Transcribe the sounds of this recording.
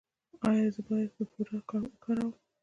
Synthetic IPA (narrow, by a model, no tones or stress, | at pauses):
ɑjɑzəbɑjad̪̚pəpuɾakaɽkaɾaw